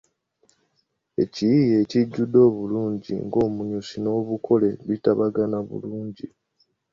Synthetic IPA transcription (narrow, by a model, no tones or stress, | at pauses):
e̞̰cijije̞ːciɟːudo̞ːβuluːɲɟḭŋɡo̞ːmuɲusino̞ːβukʰo̞le̞βitaβaɡanaβṵluːɲɟi